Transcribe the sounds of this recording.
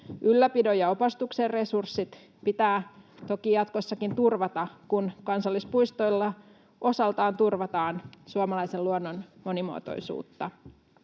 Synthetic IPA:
ʔylːæpidojɑopɑst̪ukserresursːit̪ | pit̪æːt̪o̞kijɑt̪kosːɑkint̪urʋɑt̪ɑkunkɑnsɑlːispujst̪o̞jlːɑ | ʔo̞sɑlt̪ɑːnt̪urʋɑt̪ɑːnsuɑmɑlɑjselluonːonmo̞nimo̰t̪o̰jsṵːt̪ːɑ

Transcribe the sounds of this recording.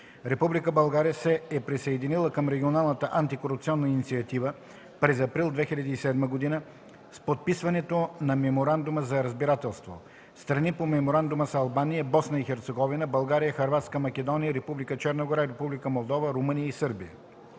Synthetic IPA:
ɾɛpublikəbɐlˠɡaɾijəsɛːpɾisɐɛd̪inilˠəkəmɾɛɡʲionalˠnət̪əʔant̪ikoɾupt̪siɔnːəinit̪siɐt̪ivə | pɾɛzɐpɾilˠd̪vɛxilʲɐd̪iːsɛd̪məɡod̪inə | spot̪̚pisvɐnɛt̪onɐmɛmoɾand̪ʊməzɐɾɐzbiɾat̪ɛlˠst̪vo̰ | st̪ɾɐnipomɛmoɾand̪uməsɐlˠbanijəbɔsnəixɛɾt̪sɛɡɔvinəbɐlˠɡaɾijəxɐɾvat̪skəmɐk̟ɛd̪ɔnijəɾɛpublikət͡ʃɛɾnəɡoɾaiɾɛpublikəmolˠd̪ɔvəɾomənijəisɤɾbijə̰

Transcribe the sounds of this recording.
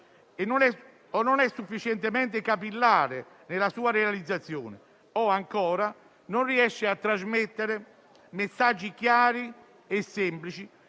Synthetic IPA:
ɛnːonɛ | ɔnːonɛsːufːit͡ʃɛnt̪emɛnt̪ɪkapilːaːɾe | nɪlasuːaɾealid̪zːat̪sːjɔ̰ːnɪ | ɔaŋkɔːɾa | nonriɛʃːɪat̪ːɾazmet̪ːeɾe | mesːad͡ʒːikjaːɾi | ɛsːɛmplit͡ʃi

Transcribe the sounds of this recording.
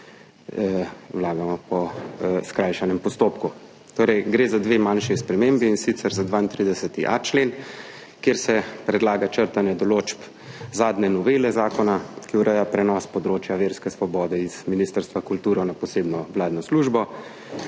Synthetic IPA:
wlaːɡamɔpɔskɾajʃanɛmpɔst̪oːpku | t̪oːɾɛjɡɾeːzad̪ʋeːmanʃispɾɛmembiːnsit̪sɛɾzad̪ʋaːint̪ɾid̪ɛsət̪iʔa̰t͡ʃleːn | kjeːɾsɛpɾɛd̪laːɡat͡ʃəɾt̪anjɛd̪ɔloːt͡ʃp | zaːd̪nɛnɔʋelɛzaːkɔnakiuɾəjapɾɛnɔspɔd̪ɾoːt͡ʃjaʋeːɾskɛsʋɔbɔːd̪ɛiz̥miniːst̪əɾst̪ʋakult̪uːɾɔnapɔseːbnɔwlaːd̪nɔsluːʒbɔ

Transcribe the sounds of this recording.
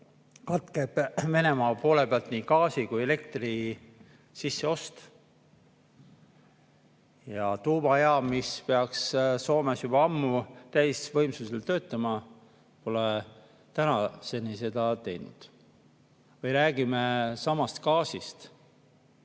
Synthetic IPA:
kɑt̪keb̥ve̞ne̞mɑːpo̞ːle̞peɑlt̪ˑnikɑːsikujele̞k̚t̪ri | sisːe̞o̞st̪ | jɑt̪uːbɑeɑmispeɑksso̞ːmesjub̥ɑɑmːut̪æjsvɤ̞jmsuselt̪ø̞ːt̪ːˑɑmɑ | po̞le | t̪ænɑse̞nise̞d̪̥ɑt̪e̞jnṵd̪̥ | vɤjɾæːɡ̥ime̞sɑmɑst̪kɑːsist̪

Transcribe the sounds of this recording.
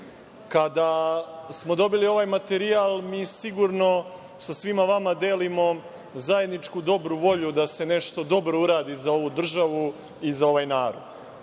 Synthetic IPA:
kad̪asmo̞d̪o̞bilio̞ʋaːjmat̪eɾiaːlˠmiːsiɡuɾno̞ | sasʋimaʋamad̪eːlimo̞ | zaje̞d̪nit͡ʃkud̪o̞bɾuʋo̞ʎud̪ase̞ne̞ʃt̪o̞d̪o̞bɾo̞uɾaːd̪izao̞ʋud̪r̩ʒaʋu | izao̞ʋajnaːɾo̰d̪̥

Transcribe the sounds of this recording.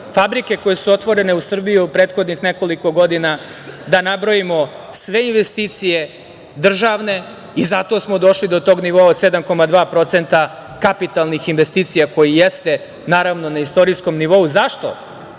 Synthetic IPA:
fabɾike̞ko̞jesuo̞t̪ʋo̞ɾe̞ne̞usr̩bijuupɾe̞ːt̪xo̞d̪nixne̞ko̞liko̞ɡo̞d̪ina | d̪anabɾojimo̞sʋe̞inʋe̞st̪iːt̪sije̞ | d̪r̩ʒaːʋne̞ | izat̪o̞ːsmod̪o̞ʃlid̪o̞t̪o̞ːɡniʋoaod̪sed̪amko̞mad̪ʋaːpɾo̞t̪se̞nt̪a | kapit̪alˠnixinʋe̞st̪iːt̪sijako̞jijest̪e̞ | naːɾaʋno̞naist̪o̞ɾisko̞mniʋo̞uzaʃt̪o̞̰

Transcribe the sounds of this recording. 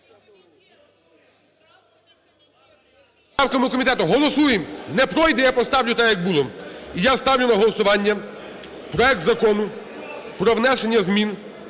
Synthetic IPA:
ɑwkɐmʊkɔmʲit̪ɛt̪ʊɦɔlˠɔsujɪnɛpɾɔjd̪ɛjapɔst̪ɑwlʲʊt̪ɛjɐɡ̚bulˠɔijast̪ɑwlʲʊnɐɦɔlˠɔsʊʋɑnʲːɐ | pɾɔɛk̚t̪zɐkɔnʊ | pɾɔʋnɛʃenʲːɐzmʲin

